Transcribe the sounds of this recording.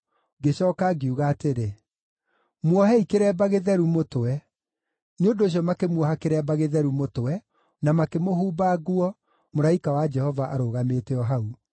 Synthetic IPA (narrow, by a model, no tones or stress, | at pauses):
ɡeɕɔːkaɡeuɣaːteɾe | mwɔɦɛikeɾɛbaɣeðɛɾumotoɛ | nondoːɕ̬ijɔmakemwɔɦakeɾɛbaɣeðɛɾumotowɛ | namakemoɦuːbaɣuɔ | moɾaikawad͡ʒɛhɔvaʔaɾoːɣameːteɔɦau